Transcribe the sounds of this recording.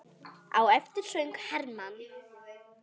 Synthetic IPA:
a̰wɛft̪ɪɾ̥sœɥŋkhɛɾman

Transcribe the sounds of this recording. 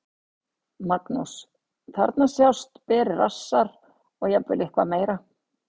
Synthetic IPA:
maknus | θa̰ɾt̪nasjawst̪pɛːɾɪra̰sːaɾ | ɔɣjɛpvɪ̰lɪhkva̰meːjɾa

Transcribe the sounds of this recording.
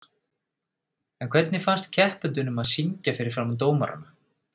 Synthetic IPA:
ɛnkʰv̥ɛt̪nɪfanst̪cʰɛhpʏnt̪̬ʏnʏmaðsiɲcafɪɾɪɾ̥fɾamt̪̬oːwma̰ɾa̰na

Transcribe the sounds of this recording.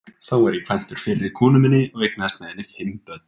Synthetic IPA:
θawɛɾikʰv̥an̥t̪ʏɾ̥fɪːlɪɾikʰɔːnʏmɪnːɪɔɣejk̚nast̪mɛɛnːɪfɪmːpœt̪̚n̥

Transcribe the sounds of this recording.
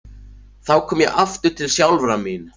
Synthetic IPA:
θawkʰɔːmjɛɣʔaft̪ʏɾ̥t̪ʰɪlsjawlvɾamin

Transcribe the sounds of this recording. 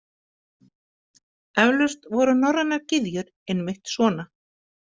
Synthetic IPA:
ɛvlʏst̪vɔɾʏnɔrːanaɾcɪðjʏɾ | ɛnːmɪjht̪svɔːna

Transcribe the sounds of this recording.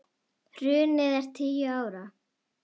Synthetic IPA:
hr̥ʏːnɪðɛɾ̥t̪ʰiːjʏaːwɾa

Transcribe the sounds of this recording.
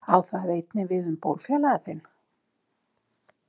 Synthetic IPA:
awθaðejt̪nɪvɪðʏmpo̰wlfjɛlaɣaθejn

